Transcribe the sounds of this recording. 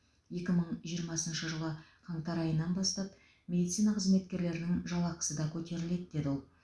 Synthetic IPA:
je̞kʲɪməɴʒijəɾmɑsənʃəʒəlˠəqʰɑɴt̪ɑɾɑjənːɑnbɑst̪ɑp | mʲe̞d̪it̪sinɑqʰəzme̞t̪̚kʲe̞ɾle̞ɾɪnɪŋʒɑlˠɑqə̥səd̪ɑkʲʰɵt̪e̞ɾɪle̞d̪ɪd̪e̞d̪ɪwolˠ

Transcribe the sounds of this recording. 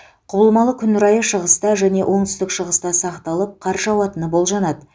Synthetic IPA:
qʰʊbəlˠmɑlˠəkʲʰʏnʏɾɑjəʃəʁəst̪ɑʒæne̞wʔo̞ɴt̪ʏ̥st̪ɪkʃəʁəst̪ɑsɑqt̪ɑlˠəp̚qʰɑɾʒɑwɑt̪ənəbo̞lˠʒɑnɑd̪ə

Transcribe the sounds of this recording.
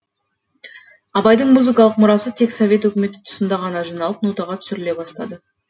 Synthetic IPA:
ɑbɑjd̪əɴmuzɨkɑlˠəq̚mʊɾɑsət̪ʰe̞ksovʲe̞t̪wɵkʲɪme̞t̪ɪ̥t̪ʰʊ̥sənd̪ɑʁɑnɑʒijnɑlˠəp̚nut̪ɑʁɑt̪ʰʏ̥sɪɾɪle̞bɑst̪ɑd̪ə

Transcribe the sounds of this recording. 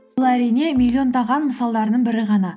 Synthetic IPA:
lˠæɾijne̞mʲilʲːio̞nd̪ɑʁɑnməsɑlˠd̪ɑɾəd̪əɴbɪɾɪʁɑnɑ

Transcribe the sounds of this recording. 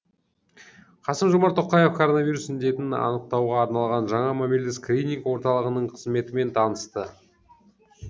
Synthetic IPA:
qʰɑsəmʒomɑɾt̪ʰːoqːɑjefkʰoɾo̞nɑvʲijɾusɪnd̪e̞t̪ɪnɑ̰nəq̚t̪ɑwʁɑːɾnɑlˠʁɑnʒɑɴɑmameld̪ɪskrʲinʲiŋkwo̞ɾt̪ɑlˠəʁənəɴqʰəzme̞t̪ɪme̞nt̪ʰɑnəst̪ə

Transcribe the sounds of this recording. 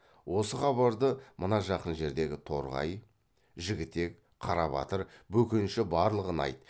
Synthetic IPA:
wo̞səχɑβɑɾd̪əmənɑʒɑqənʒe̞ɾd̪e̞ɡʲɪt̪ʰo̞̰ɾʁɑ̰j | ʒɪɡʲɪt̪ːe̞k | qʰɑɾɑβɑ̰t̪əɾbɵkʲɪnʃɪbɑɾlˠəʁənɑ̰jt̪

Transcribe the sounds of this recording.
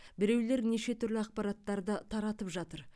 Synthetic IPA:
bɪɾe̞wle̞ɾneʃe̞t̪ʰʏɾlɪɑq̚pɑɾɑt̪ːɑɾd̪ət̪ʰɑɾɑt̪əpʒɑt̪əɾ

